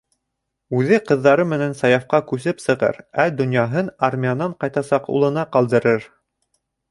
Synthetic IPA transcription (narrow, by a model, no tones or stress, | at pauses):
ʉðɘqɤ̆ðːɑɾɤmɘ̆nænsɑjɑfqɑkʉsɘpsɤ̆ʁɤ̰ɾæd̪ŏnjɑɦɤnarmʲijanɑɴqɑjt̪ɑsɑqṵlˠɤ̆nɑqɑlˠd̪ɤ̆ɾɤɾ